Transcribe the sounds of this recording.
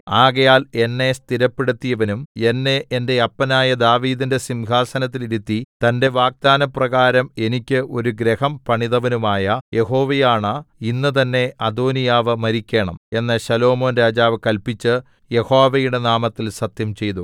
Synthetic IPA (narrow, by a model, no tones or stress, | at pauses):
aːɣɐjaːlenːe̞st̪iɾɐpːeɽut̪ːijɐʋɐnume̞nːeʔːnde̞ɐpːɐnaːjɐd̪aːʋiːðinde̞simɡʱaːsɐnɐt̪̬ːiliɾut̪ːit̪ɐnde̞ʋaːɡ̚d̪aːnɐprɐɣaːɾɐme̞nikʲːɨʔo̞ɾuɡɾehɐmpɐɳiðɐʋɐnumaːjɐje̞ho̞ːʋejaːɳɐinːɨt̪̬ɐnːe̞ʔɐd̪o̞ːnijaːʋɨmɐɾikʲːe̞ːɳɐme̞nːɐɕɐlo̞ːmo̞ːnɾaːd͡ʑaːʋɨkɐlpit͡ɕːɨ | je̞ho̞ːʋɐjuɽe̞naːmɐt̪ːilsɐt̪jɐmt͡ɕe̞jt̪u